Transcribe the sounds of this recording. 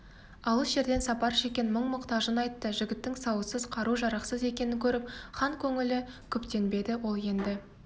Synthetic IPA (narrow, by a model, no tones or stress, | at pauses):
ɑlˠəsʒe̞ɾd̪e̞nsɑpɑɾʃe̞kʲe̞nməɴmʊqt̪ɑʒənɑjt̪ːəʒɪɡʲɪt̪ːɪŋsɑwəsəzqʰɑɾuʒɑɾɑqsəze̞kʲe̞nɪŋkʲʰɵɾɪp̚χɑŋkʲʰɵŋɪlɪkʲʰɵpt̪e̞nbe̞d̪ɪwo̞lˠje̞nd̪ɪ